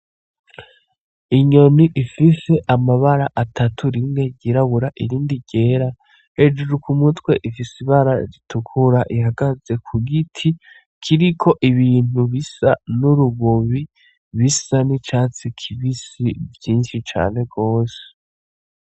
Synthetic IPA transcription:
iɲo̞niʔifise̞ʔamaβaɾaʔatʰatʰuɾimŋe̞ɟiɾaβuɾaʔiɾiːndiɟ̥e̞ːɾa | he̞d͡ʒuɾukumutwe̞ʔifisiβaɾaɾitʰukʰuɾaʔihaɡaze̞kʰuɡitʰi | kʰiɾikʰo̞ʔiβiːn̥uβisanuɾuβoβi | βisanit͡ʃaːt͡sikʰiβisivjiːnʃit͡ʃa̰ːne̞ɡo̞ːse̥

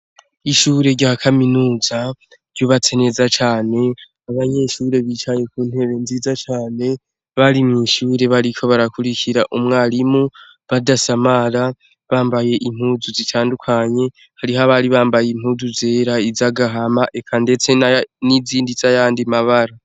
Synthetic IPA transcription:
iʃuːɾe̞ɾɟaːkʰaminuːza | ɾ̥joβatʰe̞ne̞zat͡ʃaːne̞ | aβaɲe̞ʃuːɾe̞βit͡ʃaje̞kuːn̥he̞βe̞nziːzat͡ʃaːne̞ | βaɾimŋiːʃuːɾe̞βaɾikʰo̞βaɾakuɾikʰiɾaʔumŋaːlimu | βadasamaɾa | βaːmbaje̞ʔim̥huːzuzitʰaːndukʰaɲe̞ | haɾiɦaβaɾiβaːmbajem̥huːzuze̞ːɾaizaɡaɦamaʔe̞kʰande̞t͡se̞nniziːndizajaːndimaβaɾa

